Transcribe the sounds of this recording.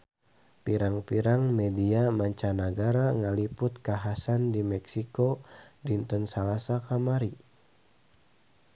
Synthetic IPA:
piɾaŋpiɾaŋmɛdiamaɲt͡ʃanaɡaɾaŋalipʊt̪̚kaɦasandimɛksikodint̪ɔnsalasakamaɾi

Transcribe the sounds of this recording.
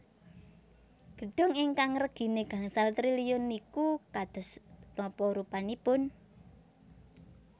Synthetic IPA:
ɡ̥ə̤ɖ̥ɔ̤ŋɪŋkaŋrəɡ̥i̤neɡ̥a̤ŋsalt̪ɾilijʊnikukad̪̥ɔ̤snɔpɔɾupanipʊn

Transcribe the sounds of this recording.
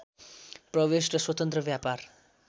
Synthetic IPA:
prʌʋesɾʌswʌt̪ʌ̃nt̪ɾʌʋjapaɾ

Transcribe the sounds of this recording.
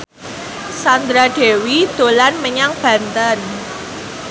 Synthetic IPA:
sand̪ɾaɖ̥e̤wid̪̥o̤lanməɲaŋb̥ä̤nt̪ən

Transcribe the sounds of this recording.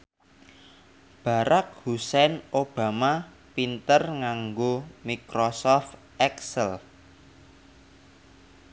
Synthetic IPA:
b̥a̤ɾak̚husɛnob̥a̤ma | pint̪ərŋaŋɡomikɾosɔf | ɛksəl

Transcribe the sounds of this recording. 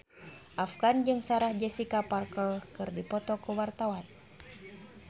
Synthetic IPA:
ʔafɡand͡ʒɨŋsaɾahd͡ʒɛsikaparkəlkɨrdipɔt̪ɔkuwart̪awan

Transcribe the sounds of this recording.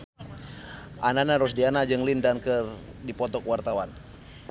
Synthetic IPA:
ʔananaɾɔs̬dianad͡ʒəŋlindankərdipɔt̪ɔkwart̪awan

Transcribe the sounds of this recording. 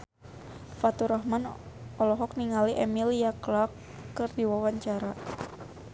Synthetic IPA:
fat̪uɾɔɦman | ɔlɔɦɔk̚niŋaliʔɛmiljaklakː | ɨrdiwawaɲt͡ʃaɾa

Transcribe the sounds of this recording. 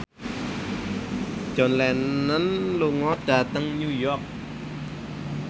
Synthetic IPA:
d͡ʒ̥ɔ̤nlɛnːənluŋɔɖ̥a̤t̪əŋnujɔk̚

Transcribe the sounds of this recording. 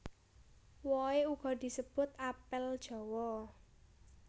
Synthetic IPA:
wɔeuɡ̥ɔ̤d̪̥i̤səb̥ʊ̤t̪̚apɪld̥ʒ̥ɔ̤wɔ

